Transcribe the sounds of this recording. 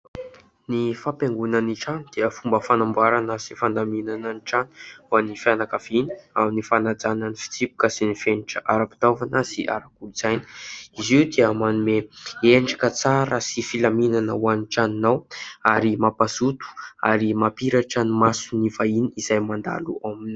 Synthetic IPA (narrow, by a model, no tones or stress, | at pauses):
nifapeŋɡunəniʈ͡ʂanid̪̥eəfumbəfanambuaɾanəsifand̪aminananiʈ͡ʂananifianakaviniaminifanad͡zananifi̥t͡sipu̥kəsinifeniʈ͡ʂəʔaɾapi̥t̪avanəsiʔa̰ɾakulz̥ajni̥iziwd̪eəmanumeeɳɖ͡ʐakət͡saɾəsifilaminanəwaniʈ͡ʂaninawaɾimapazut̪u̥a̰ɾimapiɾaʈ͡ʂanimasunivainiiz̥ajmand̪a̰luamini